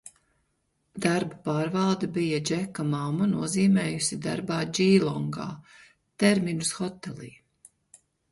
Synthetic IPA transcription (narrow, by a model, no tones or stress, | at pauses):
d̪aɾbapaːɾvɑlˠd̪ɐbijad͡ʒɛkamamːunuɔziːmɛːjusid̪a̰ɾbaːd͡ʒiːlˠɔŋɡa̰ː | t̪ɛɾminusxɔt̪ɛlḭː